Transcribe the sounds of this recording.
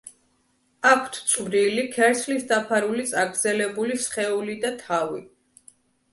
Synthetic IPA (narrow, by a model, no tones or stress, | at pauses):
akʷʰt̪ʰt̪sʼmɾilikʰɛɾslisd̪apʰaɾulit̪sʼaɡɾd̪zɛlɛbulisχɛulid̪at̪ʰavi